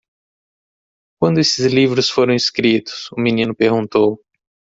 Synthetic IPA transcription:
kwɐ̃nd̪ʊesɪzlivɾʊsfoɾɐ̃w̃iskɾit̪ʊ̥sʊminĩnʊpeɾɡũnt̪ow

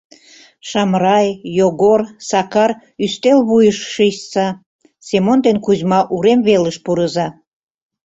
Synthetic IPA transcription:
ʃɑmɾɑjːoɣorsɑkɑr | yst̪elβujəʃʃiʃsɑ | semond̪enkuzmɑʔuɾemβeləʃpuɾəzɑ

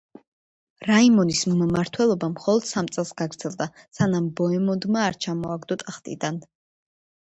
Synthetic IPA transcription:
ɾaimɔnismmaɾt̪ʰwɛlˠɔbamχɔlˠɔd̪̥samt̪sʼɛlˠsɡaɡɾd̪z̥ʰɛlˠd̪a | sanambɔɛmɔnd̪maːɾt͡ʃʰamɔaɡd̪ɔt̪ʼaχt̪ʼḭd̪an

